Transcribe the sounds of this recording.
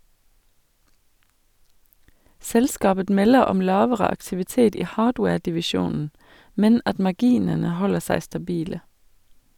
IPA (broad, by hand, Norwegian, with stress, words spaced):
ˈsɛlskɑːbə ˈmɛlə ˈɔm ˈlɑːʋəʁə ɑktɪʋɪˈteːt ˈiː ˈhɑːɖweːɖɪʋɪˌʃuːnn̩ ˈmɛn ˈɑt mɑˈɡiːnənə ˈhɔlə ˈsæɪ stɑˈbiːlə